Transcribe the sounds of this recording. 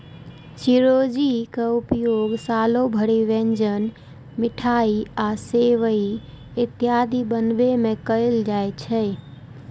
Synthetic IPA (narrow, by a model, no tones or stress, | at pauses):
siɾod͡ʒikəupjoɡsaːlobʱəɽiʋẽɲd͡ʒən | mɪʈʰaiaseʋəi | ɪt̪jad̪ʱibənbemẽkəjld͡ʒaːet͡ʃʰɛ